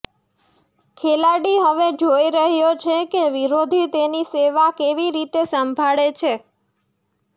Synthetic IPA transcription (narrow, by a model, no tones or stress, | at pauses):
kʰelaɽiɦəʋed͡ʒoiɾəɦjot͡ʃʰekeʋiɾod̪ʱit̪eniseʋakeʋiɾit̪esəmbʱaɭet͡ʃʰe